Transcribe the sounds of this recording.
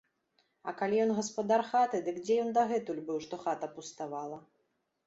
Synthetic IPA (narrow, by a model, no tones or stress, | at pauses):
ɐkalʲijɔnɣɐspad̪arxat̪ɨd̪ɨkd͡zʲɛjɔnd̪ɐɣɛt̪ulʲbɨwʂt̪ɔxat̪ɐpust̪avalˠɐ